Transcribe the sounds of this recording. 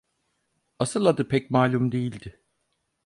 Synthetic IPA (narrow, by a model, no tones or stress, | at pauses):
asɯlˠad̪ɯpʰɛcmaːlʲumd̪ejilʲd̪ɪ